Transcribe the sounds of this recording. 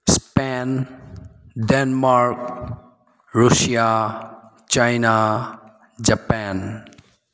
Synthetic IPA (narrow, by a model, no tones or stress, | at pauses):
spɛn | ɖenmaɾk̚ | ɾusija | t͡ʃajna | d͡ʒapɛn